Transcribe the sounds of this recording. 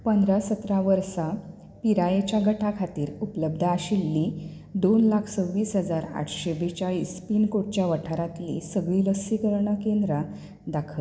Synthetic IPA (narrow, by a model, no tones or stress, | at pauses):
pənd̪ɾasət̪ɾaʋəɾsa | piɾajet͡ɕjaɡəʈʰakʰat̪iːɾupləb̚d̪ʱəaɕilːi | d̪onlakʰsəʋiːsɦəd͡zaɾa̰ʈʰɕebet͡ɕjaispiːnkoʈ̚t͡ɕjaʋəʈʰaɾat̪lḭsəɡɭiːləsikəɾɳakend̪ɾa | d̪akʰət̪